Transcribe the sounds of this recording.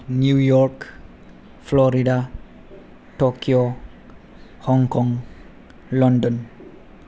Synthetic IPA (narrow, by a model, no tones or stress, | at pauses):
njujɔɾk | flɔɾida | tokio | hɔŋkɔŋ | lɔndɔn